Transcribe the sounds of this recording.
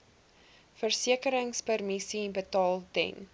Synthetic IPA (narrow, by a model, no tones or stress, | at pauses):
fərsiəkəɾəŋspərmisibətɑːlˠdɛ̰n